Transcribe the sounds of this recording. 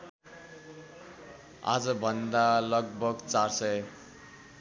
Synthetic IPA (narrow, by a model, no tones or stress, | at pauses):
a̰d͡zʌbʱʌnd̪alʌɡbʱʌɡt͡sarsʌj